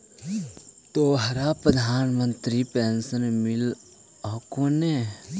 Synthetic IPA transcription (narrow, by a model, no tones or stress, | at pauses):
t̪oːɦɐɾapɾəd̪ʱaːnmə̃nt̪ɾipensənmɪl | ɔkone